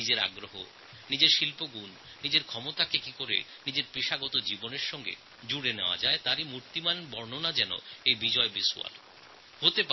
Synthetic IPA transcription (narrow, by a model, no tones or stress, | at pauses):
nid͡ʑeɾa̰ɡɾoɦo̰ | nid͡ʑeɾʃilpoɡunː | id͡ʑeɾkʰɔmot̪akekikoɾḛ | nid͡ʑeɾpɾiʃaɡɔt̪od͡ʑiboneɾʃɔŋɡḛ | d͡ʑuɽeneoa̰d͡ʑaet̪aɾimuɾt̪imanbɔɾnonad͡ʑɛno̰ejbid͡ʑɔebisua̰l | hot̪epa